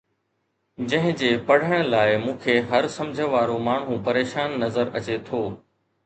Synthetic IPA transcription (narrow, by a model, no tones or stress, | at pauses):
d͡ʑɐ̃ɦɪ̃d͡ʑeːpɐɽ̤əɽ̃laːɪmũːkʰeːɦɐɾsɐ̃md͡ʑʱəʋaːɾomaːɳ̤ɦũpɐɾeːʃaːnːɐzəɾɐ̰t͡ɕet̪ʰoː